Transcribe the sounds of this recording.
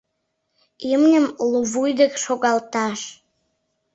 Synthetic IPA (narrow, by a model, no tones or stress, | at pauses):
imnʲəmluβujd̪ekʃoɣɑlt̪ɑʃ